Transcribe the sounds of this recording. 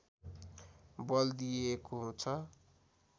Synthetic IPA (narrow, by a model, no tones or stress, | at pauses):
bʌld̪ijekoɦũt͡sʰʌ